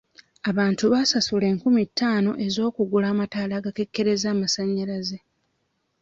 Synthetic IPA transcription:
aβaːntuβaːsasule̞ːŋkumitːaːno̞̰ʔe̞zo̞ːkuɡulaːmataːlaːɡake̞kːe̞ɾe̞zaːmasaɲːalaze̞

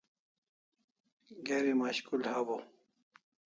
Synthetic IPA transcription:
ɡeɾimaɕkulhabo

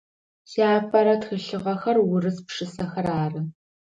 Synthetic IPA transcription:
saːfʰʼɐɾɐtxɨɬɨʁɐxɐrwʊɾɨspʂɨsɐxɐɾaːrɨ

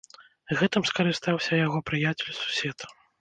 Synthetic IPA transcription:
ɣɛt̪ɨmskɐɾɨst̪awsʲɐjaɣɔpɾɨjat͡sʲɛlʲsu̥sʲɛt̪ɐ̥

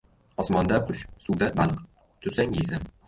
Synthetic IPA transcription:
ɒsmɒnd̪aqʰʊʃsʊwd̪abalˠq | t̪ʰʊsaŋiza

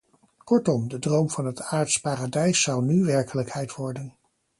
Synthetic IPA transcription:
kɔɹtɔmdədrowmv̥ɑnɦətaːɹtspaːradɛjsːɑwnyʋɛɹkələkhɛjtʋɔɹdən

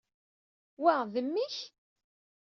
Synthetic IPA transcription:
wæʁðəmːiç

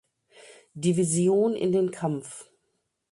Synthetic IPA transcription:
divizjoːnɪ̰ndeːnkʰamf

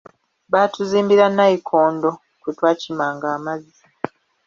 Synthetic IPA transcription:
βaːtuziːmbiɾanːaikʰoːndo̞ | kutwaːcimaːŋɡaːmazi

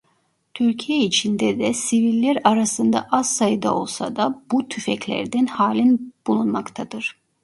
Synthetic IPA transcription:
t̪ʰyɾcʰijɛit͡ʃʰind̪ɛd̪ɛsivilʲːæɾaɾasɯnd̪a̰ʔasːajɯd̪a̰o̞̰lˠsa̰d̪abut̪ʰyfɛclʲæ̰ɾd̪ænhaːlʲinb̥ulˠunmakt̪ʰad̪ɯɾ̥

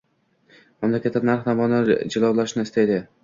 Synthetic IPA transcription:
mamlakʰʲat̪ːanaɾχd̪amɒnɪd͡ʒɪlˠɒwlˠaʃnɪɪst̪ed̪ɪ

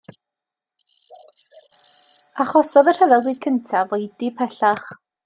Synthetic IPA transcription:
aχɔsɔðər̥hɛvɛlˠɡwɪd̥kʰəntʰavojdipʰɛɬaχ

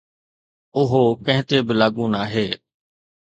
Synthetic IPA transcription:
ʊɦoːkə̃ɦɪ̃t̪eːbɪlaːɠũːnaːɦeː

